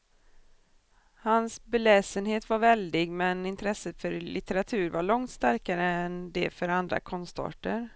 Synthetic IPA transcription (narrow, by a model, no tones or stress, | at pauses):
hansbɛlɛːsənheːt̪vaɾvɛld̪ɪɡmɛnɪnt̪ʰɾɛsət̪fœɾlɪt̪əɾat̪ʰʉ̟ːɾvaɭɔŋt̪st̪aɾkaɾəɛnd̪ɛfœɾand̪ɾa̰kʰɔnst̪ɑ̰ːʈəɾ